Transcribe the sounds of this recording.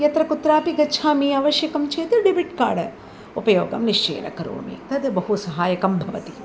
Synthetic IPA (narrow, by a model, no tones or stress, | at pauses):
jɐt̪ɾɐkut̪ɾaːpiɡɐt͡ʃʰaːmiɐʋɐʃjɐkɐmt͡ʃeːt̪ɾɖibiʈ̚ka̰ːɽɐ | upɐjoːɡɐ̰mniʂt͡ʃḛːnɐ̰kɐɾṵʋɐ̰mḭt̪ɐd̪ɨbɐɦusɐɦaːjɐkɐmbʱɐʋɐt̪i